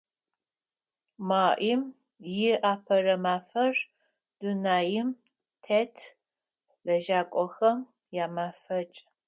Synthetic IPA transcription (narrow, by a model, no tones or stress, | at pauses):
maːʔim | jɪaːpʰɐrɐmaːfɐr | d̥unaːjɪm | tʰetʰ | lɐʒaːkʷʼɔxɐm | jaːmaːfɐt͡ʃʼ